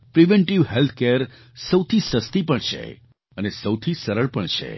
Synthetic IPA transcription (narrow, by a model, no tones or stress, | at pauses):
pɾiʋɛɳʈiʋɦelt̪̚ʰkeɾ | səwt̪ʰisəst̪ipəɳt͡ʃʰḛ | ənesəwt̪ʰisəɾəɭpəɳt͡ʃʰḛ